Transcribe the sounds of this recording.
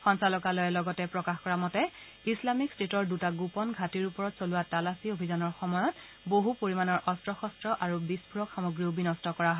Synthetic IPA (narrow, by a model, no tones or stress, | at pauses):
xɔnsalɔkalɔjɛlɔɡɔtɛpɹɔkaxkɔɹamɔtɛ | islamikstetɔɹdutaɡupɔnɡʱatiɹupɔɹɔtsolʊwatalasiobʱizanɔɹxɔmɔjɔt | boɦupoɹimanɔɹʔɔstɹɔxɔstɹɔʔaɹubispuɹɔkxamoɡɹiobinɔstɔkɔɹaɦɔ